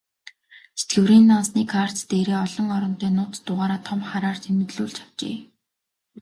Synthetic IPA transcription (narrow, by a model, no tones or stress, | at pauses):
se̥t̪ɡɘ̆wɾiːnːansniːkʰar̥t̪t̪eːɾeːɔɮɞ̆ŋɔɾɞ̆nt̪eːnʊːt̪t̪ːʊʁaːɾaːt̪ʰɔmχaɾaːr̥t̪ʰem̆t̪ɮuːɮt͡ɕḁw̥t͡ɕḛː